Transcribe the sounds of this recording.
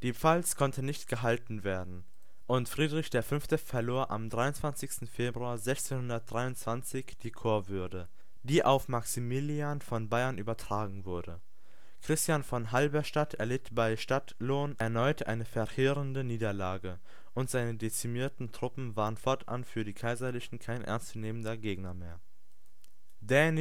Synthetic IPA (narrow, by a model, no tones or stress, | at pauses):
d̥iːpp͡falskʰɔntənɪçtɡ̥əɦaltn̩veːɐdn̩ | ʔʊntfʁ̥iːdʁɪçd̥eːɐfʏnftəfɛɐloːɐʔa̰mdʁaɪʊnt͡sv̥ant͡sɪçstn̩feːbʁuaːɐzɛçt͡seːnhʊndɐt̚d̥ʁaɪʊntt͡sv̥ant͡sɪçd̥iːkʰoːɐvʏɐdə | d̥iːʔaʊfmaksimilianfɔnbaɪɐnʔyːbɐtʁ̥aːɡŋ̩vʊɐdə | kʁ̥ɪstjanfɔnɦalbɛʃtatʰɛɐlɪtb̥aɪʃtatloːnɛɐnɔʏtʰʔa̰ɪnəfɛɐheːʁəndəniːdɐlaːɡə | ʔʊntz̥aɪnədet͡simiːɐtn̩tʁ̥ʊpm̩vaːʁənfɔɐtʔa̰nfyːɐɾiːkʰaɪzɐlɪçn̩kʰaɪnʔɛ̰ɐnst͡suneːməndɐɡeːɡnɐmeːɐ | den